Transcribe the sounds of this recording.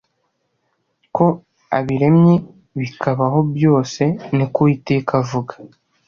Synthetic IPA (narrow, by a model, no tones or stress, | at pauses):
ko̞ | a̰βiɾe̞mɲe | βikʰaβaɦo̞bjo̞ːse̞nikoiteːkavuɡḁ